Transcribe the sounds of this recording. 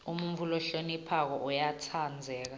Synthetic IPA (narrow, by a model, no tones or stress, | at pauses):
um̩ɱvulɔɬonipʰak̬ɔʔujatʰand͡zʱɛːk̬a